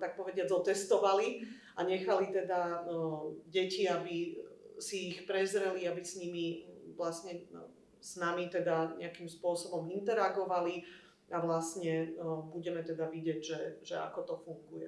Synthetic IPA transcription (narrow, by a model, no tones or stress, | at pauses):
t̪ak̚pɔʋɛɟɪad͡zɔt̪ɛst̪ɔʋali | aɲɛxalit̪ɛd̪a | ɟɛciabisiːxpɾɛzɾɛliabisɲimiʋlasɲɛ | snamit̪ɛd̪aɲɛ̰akimspʊɔsɔbɔmint̪ɛɾaɡɔʋali | aʋlastɲɛbuɟɛmɛt̪ɛd̪aʋiɟɪɛɟʒɛʒ̥ɛa̰kɔt̪ɔfuŋɡujɛ